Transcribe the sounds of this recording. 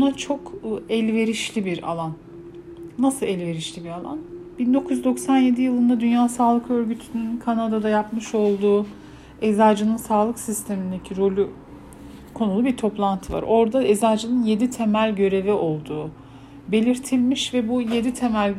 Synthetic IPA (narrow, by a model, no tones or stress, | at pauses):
bunat͡ʃʰo̞kːɛlʲve̞ɾiʃlʲibiɾa̰lˠanː | asɯlˠɛlʲve̞ɾiʃlʲibiɾalˠa̰nb̥ind̪o̞kʰuzd̪o̞ksanje̞d̪ijɯlˠɯnd̪ad̪ynjaːsaːlˠɯkø̞ɾɟyt̪ʰynynkʰanad̪ad̪ajapmɯʃo̞lˠd̪uː | ezaːd͡ʒɯnɯnsaːlˠɯksist̪ʰe̞mind̪e̞cʰiɾo̞lʲu | kʰo̞nulˠubiɾt̪ʰo̞plˠant̪ʰɯva̰ɾo̞ɾd̪aezaːd͡ʒɯnɯnje̞d̪it̪ʰe̞mælʲɟø̞ɾe̞viʔo̞lˠd̪uː | be̞lʲiɾt̪ʰilʲmiʃvɛbuje̞d̪it̪ʰe̞mælʲ